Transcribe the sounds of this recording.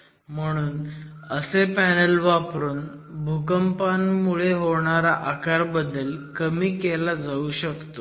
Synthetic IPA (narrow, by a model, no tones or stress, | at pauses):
m̤əɽ̃uːn | əsepænəlʋapɾuːn | bʱukəmpanmuɭeɦoɳ̃aɾaʔakaɾbəd̪ːəlkəmiːkelad͡zauɕəkt̪o